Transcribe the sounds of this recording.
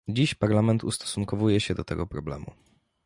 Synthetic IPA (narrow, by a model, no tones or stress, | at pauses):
d͡ʑiɕpaɾlamɛnt̪ust̪ɔ̥suŋkɔvujɛɕɛd̪ɔt̪ɛɡɔpɾɔblɛ̰mṵ